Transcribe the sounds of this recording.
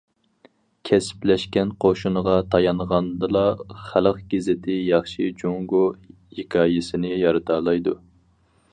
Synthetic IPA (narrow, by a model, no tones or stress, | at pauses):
kʲʰɛsɪ̥plɛʃkʲɛnqʰoʃunəʁɑt̪ʰɑjɑnʁɑnd̪ɨlˠɑχæləqɡʲezɪt̪ʰɪjɑχʃid͡ʒoŋɡo | hikʲʰɑːjɪsɪnɪjɑɾɨt̪ʰɑːlˠɑjd̪u